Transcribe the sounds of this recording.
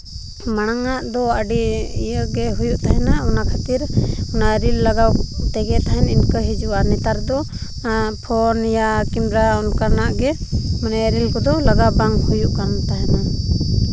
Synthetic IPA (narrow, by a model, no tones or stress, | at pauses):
maɽ̃aŋaʔd̪ɔəɖiijəɡɛɦujuʔt̪aɦɛnaɔnakʰat̪iɾɔnaɾilːaɡawt̪ɛɡɛʔt̪aɦɛninkəɦid͡ʒuʔaɾnɛt̪aɾd̪ɔ | pʰɔnjakimɾaɔnkanaʔɡɛmanɛɾilkɔd̪ɔlaɡawbaŋhujuʔkant̪aɦɛna